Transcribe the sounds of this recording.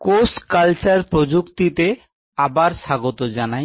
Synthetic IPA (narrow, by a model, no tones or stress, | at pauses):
koskalt͡ɕaɾpɾod͡ʑukt̪it̪e | abaɾʃaɡot̪od͡ʑanaj